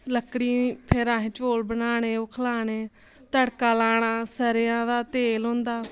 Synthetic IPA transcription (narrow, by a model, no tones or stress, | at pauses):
ləkɽiːpʰɪɾãːɦẽːt͡ʃoːlbənaːɳeːʊkʰlaːɽeː | t̪əɽkaːlaːɽ̃aːsəɾejãːd̪aːt̪eːlɦõːnd̪aː